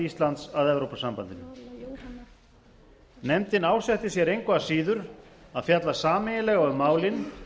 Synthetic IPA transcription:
ist̪lant̪saðɛvɾowpasampant̪ɪnʏ | nɛmt̪ɪnaːwsɛht̪ɪsjɛɾejŋkvaðasiːðʏɾaðfjat̪lasaːmɪjɪlɛɣaʏmːaːwlɪn

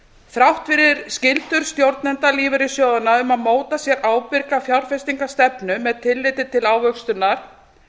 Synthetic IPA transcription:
θɾawht̪fɪɾɪɾ̥scɪlt̪ʏɾ̥st̪jowɾt̪̚nɛnt̪aliːvɪɾɪsjoːwðʏnːaʏmaðmoːwt̪asjɛɾʔaːwpɪɾkafjawɾ̥fɛst̪iŋkḁst̪ɛpnʏmɛðt̪ʰɪlːɪt̪ɪt̪ʰɪlaːwvœkst̪ʏnːaɾ̥

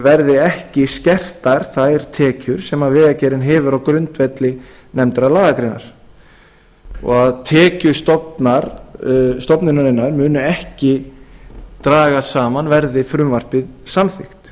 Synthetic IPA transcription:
vɛɾðɪɛhcɪscɛr̥t̪aɾ̥θaðɛɾ̥t̪ʰɛːcʏɾ̥sɛmavɪːðacɛːɾɪnɦɛːvʏɾawkɾʏnt̪vɛt̪lɪ | nɛmt̪ɾalaːɣakɾɪnːa̰ɾ̥ | ɔ̰ɣaðt̪ʰɛːcʏst̪ɔpnaɾ | st̪ɔpnɪnaɾɪnːaɾmʏːnʏɛhcɪ | t̪ɾaːɣasaːmanvɛɾðɪfɾʏmvar̥pɪðsamθɪxt̪

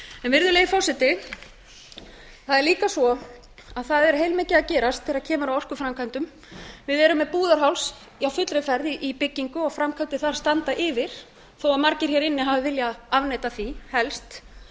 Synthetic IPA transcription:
ɛnvɪɾðʏleːjɪfɔrsɪt̪ɪ | θaðɛɾliːkasɔ | aðθaðɛɾheːjlmeːcɪðaðcɛːɾast̪ʰːɪɾaðcʰɛːmaɾawɔr̥kʏfɾamkʰant̪ʏm | vɪðɛɾʏmːɛpuːðaɾ̥ɦawls | awfʏt̪ɾɪfɛɾðiʔipɪcːiŋkʏɔɣfɾamkʰant̪ɪθaɾ̥st̪ant̪aʔɪːvɪɾ̥ | θowaðmaɾcɪɾ̥çɛɾɪnːɪɦaːvɪvɪljaavneːjt̪aθihɛlst̪

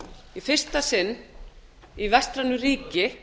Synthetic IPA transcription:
ifɪr̥st̪asɪnː | ivɛst̪ɾanːʏriːcɪ

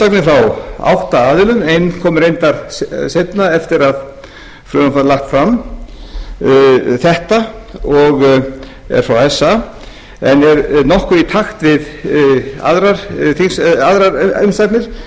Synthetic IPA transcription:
aknɪfɾawa̰wht̪aaːðɪlʏmejnkʰɔːmʏɾejnt̪aɾsejpnaɛft̪ɪɾað | flɾœðafalaxt̪fɾam | θɛht̪aɔɣ | ɛ̰ɾ̥fɾawɛsːa | ɛnɛɾnɔhkʏit̪ʰaxt̪vɪð | a̰ðɾaɾ̥θiŋsaðɾaɾʏmst̪ak̪nɪɾ̥

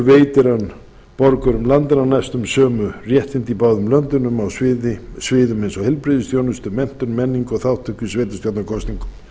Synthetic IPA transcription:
veːjt̪ɪɾan | pɔɾkœɾʏmlant̪ɪnanajst̪ʏmsœːmʏrjɛht̪ɪnt̪ipaːwðʏmlœnt̪ʏnʏmawsvɪðɪsvɪːðʏmensɔhɛlpɾɪðʏst̪jownʏst̪ʏmɛn̥t̪ʏnmɛnːiŋkɔθawt̪ʰʏhcːʏsveːt̪ɪst̪ɔwt̪nakʰɔst̪iŋkʏm

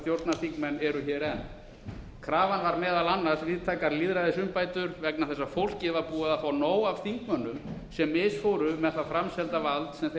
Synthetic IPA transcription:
θjowɾt̪naθikmɛnɛɾʏçɛːɾɛn | kʰɾaːvanvaɾmɛːðalanːaɾ̥svɪːðt̪ʰaːjkaɾliːðɾaðɪsʏmpaːjt̪ʏɾvɛknaθɛsːḁfowl̥cɪvaɾpuːaðafaːwnoːwav̥θiŋkmœnːʏmsɛmːɪsfoːwɾʏmɛðθafɾamsɛlt̪avalt̪sɛmθ

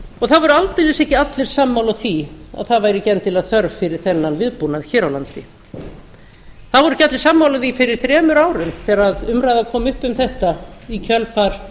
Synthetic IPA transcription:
ɔɣθaðvɔɾʏalt̪ɪlɪsɛhcɪat̪lɪɾ̥samːawlaθia̰ðθaðvaːjɾɪcɛnt̪ɪlaðθœɾvfɪɾɪɾ̥θɛnːanvɪðpunaðçɛːɾawlant̪ɪ | θaðvɔɾʏcat̪lɪ̥samːawlaθifɪɾɪɾ̥θɾɛːmʏɾaːwɾʏmθɛɾaðʏmɾajðakʰɔːmʏhpʏmθɛht̪aicʰœlfaɾ̥

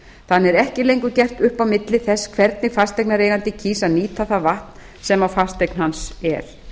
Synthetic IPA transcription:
θanːɛɾɛhcɪlejŋkʏcɛr̥t̪ʏhpawmɪt̪lɪθɛsːkʰvɛɾt̪nɪfast̪ejk̚naɾejɣant̪ɪcʰiːsaðniːt̪ʰaθavaht̪n̥ | sɛmawfast̪ejkn̥hansɛ̰ɾ̥

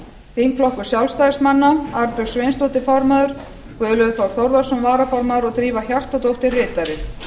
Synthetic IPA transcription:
θiŋflɔhkʏɾ̥sjawlst̪ajðɪsmanːaaɾpʏɣ̥svejnst̪owht̪ɪfɔɾmaðʏɾ̥ | kvʏːðlœɣθfawɾ̥θowɾðasɔmvaːɾafɔɾmaðʏɾɔɣt̪ɾiːvaçjar̥t̪at̪owht̪ɪrɪːt̪aɾɪ

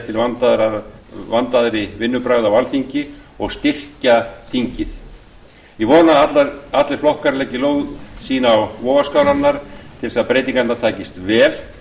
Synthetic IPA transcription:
t̪ʰɪlvat̪ | vant̪aðɾɪvɪnːʏpɾaɥðawalθiɲcɪ | ɔɣst̪ɪr̥caθiɲcɪθ | jɛvɔːnaat̪laat̪lɪɾflɔhkaɾlɛcɪloːwsiːnaːwvɔːɣaskaːwɾanːaɾ̥t̪ʰɪlsaðpɾejt̪̬ĩŋkat̪naɾt̪ʰaːcɪst̪vɛːl̥

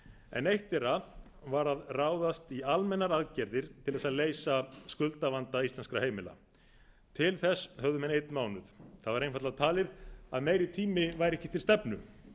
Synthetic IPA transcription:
ɛ̰nejht̪ɪɾað | vaɾaðraːwðast̪ialmɛnːaɾaðcɛɾðɪɾ̥t̪ʰɪlðɛsaðleːjsaskʏlt̪avant̪aist̪lɛnskɾaheːjmɪla̰ | t̪ʰɪlθɛshœððʏmɛnejt̪nmaːwnʏθθaðvaɾejnfaɾt̪lat̪ʰaːlɪða̰ðmeːjɾɪt̪ʰiːmɪvaːjɾɛhcɪ̥t̪ʰɪlst̪ɛpnʏ̰

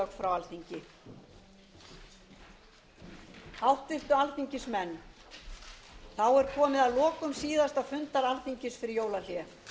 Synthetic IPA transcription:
ɔkfɾawalθiɲcɪ | hawht̪vɪht̪ʏalθiɲcɪsmɛnː | θawɛɾ̥kʰɔːmɪðaðlɔːkʏmsiːðast̪awfʏnt̪aɾalθiɲcɪsfɪɾɪɾjoːwlal̥jɛf

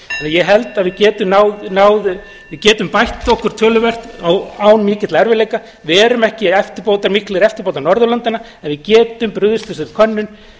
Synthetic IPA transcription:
ɛnajɛɦɛlt̪aðvɪðcɛːt̪ʏmnawnaːwð | vɪðcɛːt̪ʏmpajht̪ɔhkʏɾ̥t̪ʰœːlʏvɛr̥t̪awaːwnmɪːcɪt̪laɛɾvɪɾleːjka | vɪɛːɾʏmɛhcɪɛft̪ɪɾpoːwt̪aɾmɪhklɪɾɛft̪ɪ̥ɾpowt̪anɔɾðʏlœnt̪ɪna | ɛnvɪðcɛːt̪ʏmpɾʏðʏst̪ɛsɪɾkʰœnːʏn

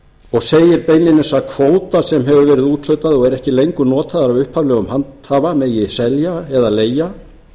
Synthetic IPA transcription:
ɔɣseːjɪɾpeːjnɪnɪnsakʰvoːwt̪asɛmɦɛvʏvɛːɾɪðuːt̪lœɥt̪aðɔɣɛɾɛhcɪlejŋkʏnɔːt̪ʰaðaɾavʏhphavlɛːɣʏmhant̪havamɛðjɪsɛljaɛðaleːja

